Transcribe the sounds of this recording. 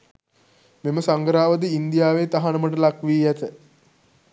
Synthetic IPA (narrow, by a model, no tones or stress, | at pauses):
meməsaŋɡəɾaːʋəd̪iind̪ijaːʋeːt̪aɦanəməʈəlakʋiːjæt̪ə